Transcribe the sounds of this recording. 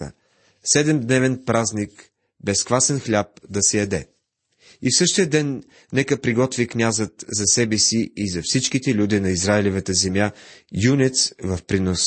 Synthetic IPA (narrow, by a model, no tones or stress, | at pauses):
ə̰ | sɛd̪ɛmd̪nɛvɛnpɾaznik | bɛskvasɛnxlʲap̚d̪ɐsɛjɐd̪ɛ | ifsɤʃt̪ijəd̪ɛnː | ɛkəpɾiɡɔt̪viknʲazət̪zɐsɛbɛsiizɐfsit͡ʃkit̪ɛlʲud̪ɛnɐizɾaɛlɛvət̪əzɛmjajunʲɛt̪svɐfpɾinos